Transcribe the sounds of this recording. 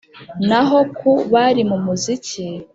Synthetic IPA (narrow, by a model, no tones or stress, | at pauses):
naɦo̞kuβaɾimumuzici